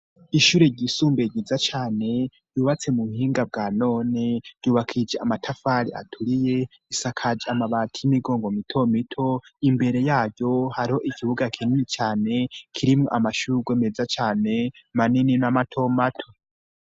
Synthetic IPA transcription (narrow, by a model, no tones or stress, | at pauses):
iʃuːɾe̞ɟisuːmbeɟizat͡ʃaːne̞ | juːβat͡se̞muβuhiːŋɡab̚ɡaːno̞ːneɾɟuːβakʰid͡ʒeamatʰafaɾia̰tʰuɾije̞ | isakʰad͡ʒeamaβaːtʰijimiɡo̞ːŋɡo̞mitʰo̞mitʰo̞imbe̞ɾe̞jaːɾɟo̞haɾiho̞ʔikʰiβuɡakʰininit͡ʃaːne̞kʰiɾimŋoʔamaʃuɾuɡwemezat͡ʃaːne̞manininamatʰo̞matʰo